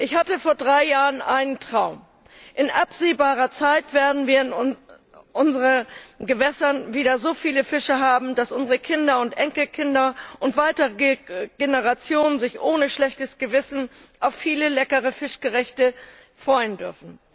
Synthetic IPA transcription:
ʔɪçhatəfoːɐdʁaɪjaːʁənʔaɪnəntʁ̥aʊm | ʔɪnʔapz̥eːbaːʁ̞ɐt͡saɪtv̥eːɐdn̩viːɐn | ʔʊnzəʁənɡəvɛsɐnviːdɐzoːfiːləfɪʃəɦaːbm̩dasʔʊnzəʁəkʰɪndɐʊntʔɛŋkl̩kʰɪndɐʔʊntv̥aɪtəʁəəɡ̥enəʁat͡sjoːnənzɪçʔoːnəʃlɛçtəsɡ̥əvɪsn̩ʔaʊfːiːləlɛkəʁ̞əfɪʃɡ̥əʁɛçtə | fʁ̥ɔʏəndʏɐfn̩

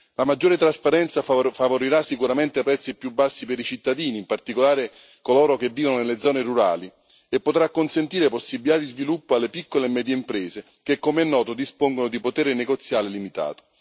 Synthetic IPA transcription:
lamad͡ʒːoːɾet̪ɾaspaɾɛnt̪safavoɾiɾasːikuɾament̪eapɾɛt̪sːipjubːasːipeɾit͡ʃit̪ːad̪iːniːmpart̪ikolaːɾe | koloːɾok̟evːiːvononelːed̪zɔːneruɾa̰ːli | epːot̪ɾakːonsent̪iːɾeposːibit̪ad̪izvilupːoalːepikːolemɛːd̪jeimpɾɛːze | k̟ekːomeɛnːɔːt̪od̪ispoŋɡonod̪ipot̪ɛːɾeneɡot̪sjaːlelimit̪a̰ːt̪o̥

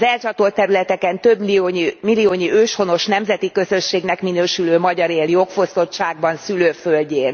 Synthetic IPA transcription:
zɛlt͡ʃɒt̪o̞lt̪ːɛɾylɛt̪ɛkɛnt̪øbiomilːioːɲiøːʃho̞no̞ʃnɛmzɛt̪ikø̞zø̞ʃːeːɡnɛkminøːʃyløːmɒɟɒɾeːljo̞kfo̞st̪o̞tt͡ʃaːɡ̚bɒnsyløːfølɟeːn

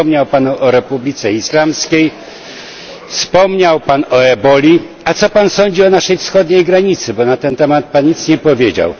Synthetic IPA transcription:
ɔmɲawpanuʔɔɾɛpublʲit̪sɛislamskʲej | fspɔmɲawpanɔɛbɔlʲi | at̪sɔpansɔɲd͡ʑiɔnaʂɛjfsxɔd̪ɲejɡɾaɲit̪sɘbɔnat̪ɛnt̪ɛmat̪̚panɲit̪sɲɛpɔvʲjed͡ʑa̰w

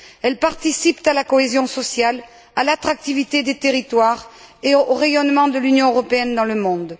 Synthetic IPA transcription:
ɛlpaʁt̪isipt̪alakɔezjɔ̃sɔsjal | alat̪χak̚t̪ivit̪ed̪et̪eʁit̪waʁ | eooʁejɔnmɑ̃d̪əlynjɔ̃øʁɔpeɛnd̪ɑ̃ləmɔ̃d̪

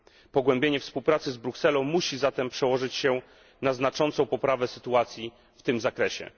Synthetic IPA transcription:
pɔɡwɛmbʲjeɲɛfspuwpɾat̪sɘzbɾuksɛlɔ̃muɕizat̪ɛmpʂɛwɔʐɘt͡ɕɕɛ | naznat͡ʂɔnt̪sɔ̃w̃pɔpɾavɛsɘ̥t̪uat̪sʲji | ft̪ɘmzakɾɛɕɛ̰

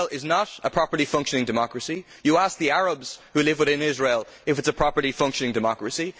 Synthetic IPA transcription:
lˠɪznəɾəpʰɹ̥ɑpə˞lifʌ̃ŋkʃənɪ̃ŋdɨmɑkɹəsi | jəask̚ðiaɹəbz̥hʉlɪvwɪðɪ̃nɪzɹeɪlˠ | ɪfɨtsəpʰɹ̥ɑpə˞lifʌ̃ŋkʃə̃nɪ̃ŋdɨmɑkɹəsi

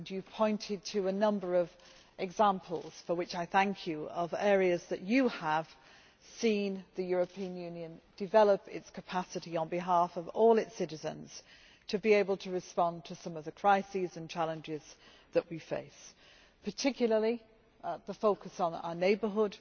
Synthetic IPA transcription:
njɨpʰɔ̃ɪ̃ntʰɪd̚tʰɨənʌ̃mbə˞ʌv | ʔɛɡzæ̃mpʰəl̩ˠz̥fəwɨt͡ʃaɪθæ̃ŋkʰjɨəvɛːɹiɨzðɨt͡ʃɨəv̥ | sĩnðɨjɔɹəpʰiə̃njʉ̃njɨ̃nd̥ɨvɛlˠəpɪ̰tskʰəpʰasɨɾiə̃nbɪɦɑˑfʌvɔːlˠɪtsɪɾɨzə̰̃nz̥ | tʰɨbieɪbəl̩ˠtʰəɹɨspɑ̃ntʰəsʌ̃mʌvðəkʰɹ̥aɪsizə̃nt͡ʃʰalˠə̃nd͡ʒɪz̥ | ðəʔwifḛɪs | pʰətʰɪkʰjl̩ˠəli | ðəfoʊkəsn̩a̰ʊəneɪbəɦʊd̥

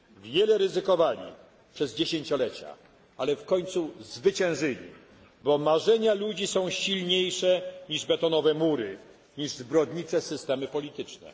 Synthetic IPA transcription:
vʲjɛlɛɾɘzɘkɔvaɲḭ | pʂɛzd͡ʑeɕeɲt͡ɕɔlɛt͡ɕa̰ | alɛfkɔɲʲt̪suzvɘt͡ɕɛ̃w̃ʐɘlʲḭ | bɔmaʐɛɲalud͡ʑisɔ̃w̃ɕilɲejʂɛɲiʐbɛt̪ɔnɔvɛmuɾɘ | ɲiʐzbɾɔd̪ɲit͡ʂɛsɘst̪ɛmɘpɔlʲit̪ɘt͡ʂnɛ̰

